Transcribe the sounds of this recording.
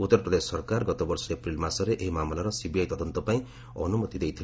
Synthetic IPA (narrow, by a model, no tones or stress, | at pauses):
ut̪ːɔɾpɾɔd̪esːɔɾkaɾɡɔt̪ɔbɔɾsɔepɾilmasɔɾeʔeɦimamlaɾɔsibiajt̪ɔd̪ɔnt̪ɔpaĩ | ɔ̰numɔt̪id̪ejt̪ʰil